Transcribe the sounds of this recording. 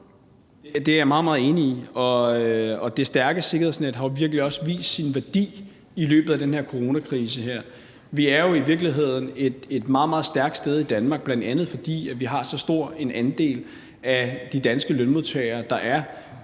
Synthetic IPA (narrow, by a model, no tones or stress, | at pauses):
d̥e̝æjamɑ̈ːð̩ˠmɑ̈ːð̩ˠe̝ːniiɒ̽ɒ̽d̥e̝sd̥æɐɡ̥əse̝ɡ̥ɐhesned̥ɦɑ̈jo̝ʋiɐɡ̥əliɒ̽səʋḭːsd̥sinʋæɐd̥ḭː | ilø̰ːb̥ð̩ˠæd̥enhe̝ɐ̰kʰo̝ʁo̝nækʰʁiːs̬əɦeɐ̰ | ʋiæɐjo̝iʋiɐɡ̥liɦe̝ð̰ˠn̩e̝d̥e̝d̥mɑ̈ːð̩ˠmɑð̩ˠsd̥æɐɡ̥d̥sd̥eð̞ˠid̥ænmɑ̈ɡ̥̚b̥lænd̥ænð̞̩ˠfɒ̽d̥ḭːæʋiɦɑ̈sɒ̽sd̥o̝ɐ̰e̝nʔænd̥e̝̰ːl | æd̥id̥ænsɡ̥əlønmo̝ðˠt͡sʰɛ̰ːɪɐːd̥ɑ̈ʔæɐ